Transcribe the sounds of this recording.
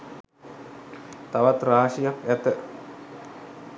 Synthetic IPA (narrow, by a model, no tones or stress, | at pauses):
t̪aʋat̪ɾaːʂijakæt̪ə